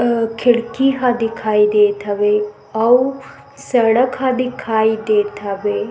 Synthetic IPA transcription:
kʰɪɭkiɦãd̪ɪkʰaːid̪eːt̪ʰɐʋe | ɐw | sɐɽəkɦãd̪ikʰaːid̪eːt̪ʰɐʋeː

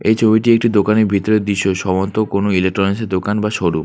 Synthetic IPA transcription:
ejt͡ɕʰobiʈiek̚ʈid̪okaneɾbʱit̪ːoɾeɾd̪iʃoʃɔbont̪okonoilek̚ʈɾɔɾenseɾd̪okanbaʃoɽu

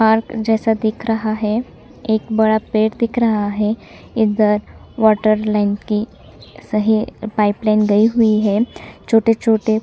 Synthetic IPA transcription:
paɾkd͡ʒɛːsad̪ɪkʰɾɐɦaɦɛ | eːkbɐɽapeːʈd̪ɪkʰɾəɦaɦɛ | ɪd̪əɾ | ʋɔːʈəɾlaɪnki | səɦipaiplainɡəiɦuiɦɛt͡ʃʰoːʈet͡ʃʰoːʈe

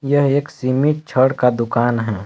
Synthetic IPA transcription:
jəɦeːksimiʈ̚t͡ʃʰəɽkad̪ʊkaːnɦɛː

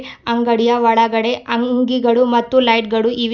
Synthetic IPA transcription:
ɐŋɡɐɽijɐʋɐɽɐɡɐɽe̞ʔɐŋɡiɡɐɭumɐt̪ːulɐjʈ̚ɡɐɭuiʋ

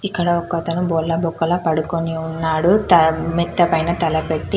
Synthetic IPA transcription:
ikːɐɽɐɔkːɐt̪ɐnubɔːlːɐbukːɐlɐpɐɽukoniunːaːɽut̪ɐmit̪ːɐpɐjnɐt̪ɐlɐpeʈːi

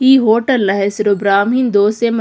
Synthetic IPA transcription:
iːɦoːʈəlnɐɦesɪɾobɾaːmĩːnd̪oːsem

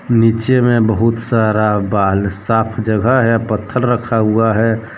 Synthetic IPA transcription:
nit͡ʃemẽbəɦut̪saɾabaːlsaːpʰd͡ʒəɡʱəɦɛpət̪ʰːəɾɾəkʰaɦuaɦɛ

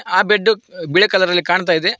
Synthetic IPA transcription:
aːbeɖːubiɭekɐlɐd̪ɐlːikaːɳt̪aːjid̪e

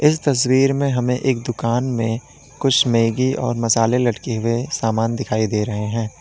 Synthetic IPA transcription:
ɪs̬t̪ɐs̬wiːɾmẽɦɐmẽʔeːk̚d̪ʊkaːnmẽ | kʊt͡ʃʰmeːɡiɔ̰ːɾmɐsaːlelɐɽkeɦʊesaːmaːnd̪ɪkʰaːid̪eːɾɐɦeɦɛ̃ː

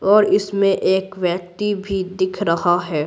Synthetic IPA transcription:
ɔːɾɪsmẽʔeːkʋjɛk̚t̪ibʱid̪ɪkʰɾɐɦaɦɛː

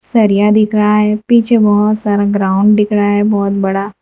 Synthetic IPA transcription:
sɐɾijad̪ɪkʰɾaɦɛpiːt͡ʃʰebɔɦʊt̪saːɾaɡɾãːʊ̃ɳɖ̪ɪkɽaɦɛbɔːt̪̚bɐɽaː

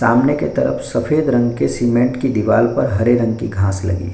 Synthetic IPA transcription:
saːmneket̪ɐɾə̰fʰsɐfʰeːd̪ɾɐ̃ŋɡkesimẽɳʈkid̪ɪʋaːlpɐɾɦɐɾeɾɐ̃ŋɡkiɡʱãːslɐ̰ɡḭː

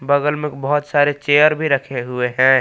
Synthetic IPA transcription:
bəɡəlmekbəɦʊt̪saːɾet͡ʃeːjəɾbʱiɾəkʰeɦʊeɦɛ̃

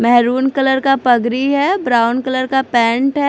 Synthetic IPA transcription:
mɛɦɾuːnkɐləɾkapɐɡɾiɦɛːbɾaːʊnkələɾkapɛ̃ːɳʈɦɛ

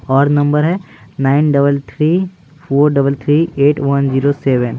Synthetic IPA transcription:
ɔːɾnɐ̃mbəɾɦɛː | naːɪnɖɐbəlt̪ʰɾiː | pʰoːɾɖɐbəlt̪ʰɾiːeːʈʋɐnd͡ʒiːɾosɛːʋən

